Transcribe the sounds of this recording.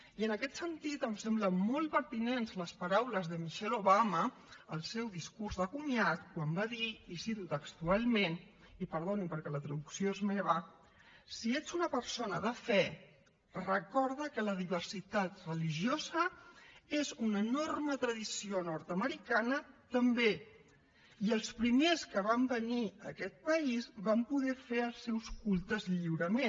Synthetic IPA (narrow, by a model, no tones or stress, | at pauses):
iənəkɛt̪sənt̪it̪əmsɛmbləmolˠpəɾt̪inenzləspəɾawləzðəmiʃɛloβaməː | lˠsɛwðiskuɾzðəkuɲjat̪kwambaðiisit̪ut̪əkst̪ualˠmen | ipəɾð̞onipəɾkɛlət̪ɾəðuksioezmeβ̞ə | sied͡zunəpəɾsonəðəfɛ | rəkɔɾðəkələðiβəɾsit̪at̪rəliʒjozə | ezunənormət̪ɾəðisionɔɾt̪əməɾikanət̪əmbe | iəlˠspɾimeskəβ̞ambəniə̰kɛt̪̚pəizβampuðɛfeəlˠsɛwskulˠt̪əzʎiwɾəme